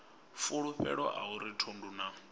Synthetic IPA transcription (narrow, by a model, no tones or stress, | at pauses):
fuɺuɸɛ̰ɺɔʔauɾitʰonduna